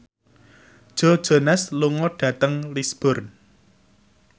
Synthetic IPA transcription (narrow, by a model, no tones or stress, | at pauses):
d̥ʒ̥ɔ̤d̥ʒ̥o̤nɛsluŋɔɖ̥ä̤t̪əŋlisb̥ɔrn